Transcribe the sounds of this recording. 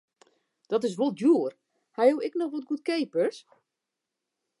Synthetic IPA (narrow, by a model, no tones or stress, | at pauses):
d̥ɔtɪs̬ʋolˠdjuər | hajowɪknɔxʋɔt̚ɡutkeːpərs